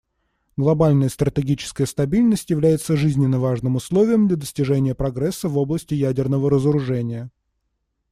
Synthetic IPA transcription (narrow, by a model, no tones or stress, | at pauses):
ɡlˠɐbalʲnəjəst̪ɾət̪ʲɪɡʲit͡ɕɪ̥skəjəst̪ɐbʲilʲnəsʲtʲjɪvlʲæjɪt̪səʐɨzʲnʲɪnːəvaʐnɨmʊslˠovʲɪjəmd̪lʲɐd̪əsʲtʲɪʐɛnʲɪjəpɾɐɡɾɛsːəvo̞blˠəsʲtʲɪjædʲɪrnəvəɾəzəɾʊʐɛnʲɪjə